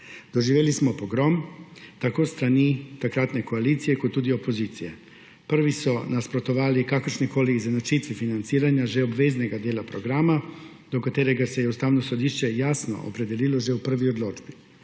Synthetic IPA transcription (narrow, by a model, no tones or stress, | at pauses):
d̪̥oʒiʋelismopoɡɾomt̪akoːst̪ɾanit̪akɾat̪ne̞koaliːt̪sijekod̪t̪ːuːd̪io̞po̞ziːt̪sije | pr̩ʋisonaspɾo̞t̪oʋaːlikakrʃniko̞liːzenot͡ʃit̪ʋifinant̪siːɾaɲaʒeobʋezneɡad̪jeːlapɾoɡɾama | d̪̥okat̪eɾeɡase̞jeust̪aːʋnosod̪iʃt͡ʃejasno̰o̰pɾe̞d̪eliːloʒeupr̩ʋiod̪lo̞ːd͡ʒbi